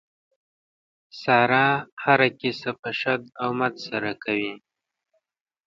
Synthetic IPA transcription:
sɑɾɑhaɾakisapəʃad̪awmad̪saɾakʰawi

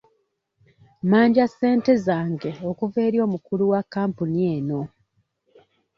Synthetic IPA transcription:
maːɲɟase̞ːnte̞zaːŋɡe̞o̞kuve̞ːɾjo̞ːmukuluwakːaːmpunie̞ːno̞

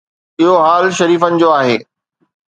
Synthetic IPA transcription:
ɪɦoɦaːlʃɐɾiːfənɪ̆d͡ʑoːaːɦeː

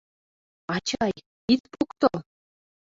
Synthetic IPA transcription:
ɑt͡ɕɑj | it̪pukt̪ɤlˠ

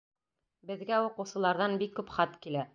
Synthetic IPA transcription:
bɘ̆ðɡæuqɤ̆wsɤ̆lˠɑɾðɑnbikːʉpχɑt̪kilæ

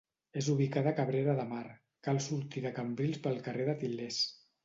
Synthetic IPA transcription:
ezuβ̞ikaðəkəβɾeɾəðəmaɾ | kalˠsuɾt̪iðəkəmbɾilˠspəlˠkərʔeðət̪iles

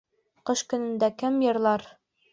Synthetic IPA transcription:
qɤʃkɵ̆nɘ̆nd̪ækɘmjɤ̆ɾlˠɑɾ

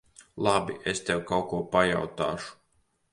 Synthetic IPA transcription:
lˠabiʔest̪ɛwkawkuɔpaja̰wt̪a̰ːʃu̥

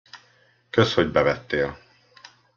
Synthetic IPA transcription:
køsho̞ɟbɛvɛt̪ːeːl

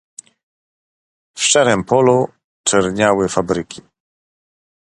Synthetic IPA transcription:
fʂaɾɛmpʰɔlu | t͡ʂɛɾɲawɘfabɾɘkʲʰi̥

